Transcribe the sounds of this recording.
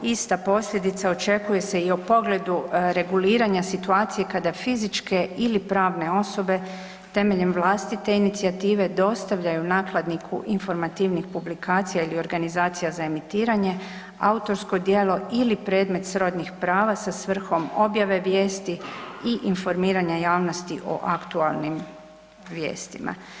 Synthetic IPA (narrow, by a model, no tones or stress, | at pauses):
ist̪apo̞slʎʲe̞d̪it̪sao̞t͡ʃe̞kuje̞se̞iopo̞ɡle̞d̪uɾe̞ɡuliːɾaɲasit̪uaːt̪sije̞kad̪afizit͡ʃke̞ilipɾaːʋne̞o̞so̞be̞ | t̪e̞meʎe̞mʋlˠaːst̪it̪e̞init̪siat̪iːʋe̞d̪o̞st̪aʋʎajunaːklˠad̪nikʰṵʔinfo̞ɾmat̪iʋnixpublikʰaːt̪sijailio̞ɾɡanizaːt̪sijazae̞mit̪iːɾaɲe̞ | a̰ut̪o̞ɾsko̞d̪je̞ːlo̞ilipɾe̞ːd̪me̞t̪sɾo̞d̪ɲixpɾaːʋasasʋr̩xo̞mo̞bjaʋe̞ʋje̞ːst̪iiʔinfo̞ɾmiːɾaɲajaːʋno̞st̪iʔo̞̰ʔakt̪ualˠnim | ʋje̞̰ːst̪ima̰